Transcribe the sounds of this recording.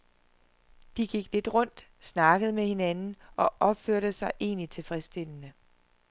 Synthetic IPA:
d̥iɡ̥iɡ̥le̝d̥ʁɔ̽n̰d̥ | snɑ̈ɡ̥əðˠmehe̝nænn̩ʔɒ̽ʔɒ̽b̥føɐ̰d̥əsɑ̈ɪʔe̝̰ːnit͡sʰe̝lfʁɛsd̥e̝l̰ənə

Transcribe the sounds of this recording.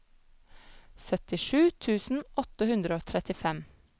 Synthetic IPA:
sœt̪ɪʃʉːt̪ʰʉːsn̩ʔɔt̪əhʉnd̪ɾəoːt̪ʰɾɛt̪ɪfɛm

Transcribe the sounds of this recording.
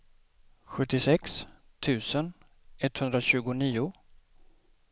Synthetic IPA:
ɧɵt̪ːɪsɛks | t̪ʰʉ̟ːsən | ɛt̪ːhɵnd̪ɾaɕʉ̟ːɡʊniːʊ

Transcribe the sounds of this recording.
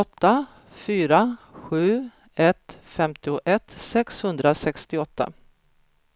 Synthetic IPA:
ɔt̪ːa | fyːɾaɧʉ̟ː | ɛt̪fɛmt̪ɪʊʔɛt̪sɛkshɵnd̪ɾasɛkst̪ɪɔt̪ːa̰

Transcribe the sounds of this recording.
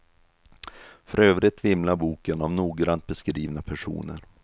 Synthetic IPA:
fœɾøːvɾɪt̪vɪmlabuːkənavnuːɡɾant̪̚bɛskɾiːvnapʰæʂṵːnə̰ɾ

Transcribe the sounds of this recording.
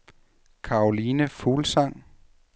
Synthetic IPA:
kʰɑ̈ːoliːnəfuːlsɑ̈ŋ̰

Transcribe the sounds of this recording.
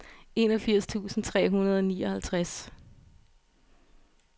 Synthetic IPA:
e̝nɒfiɐ̰st͡sʰṵːsn̩t͡sʰʁɛ̰ːɦunɐð̞ˠɒniːɒ̽hælt͡sʰʁas

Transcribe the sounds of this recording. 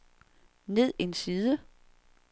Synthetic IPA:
ne̝ð̞̰ˠensiːðˠə

